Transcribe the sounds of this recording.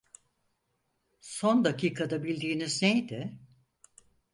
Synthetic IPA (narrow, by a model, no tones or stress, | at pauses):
so̞nd̪akiːkʰad̪abilʲd̪iːniznejd̪ɪ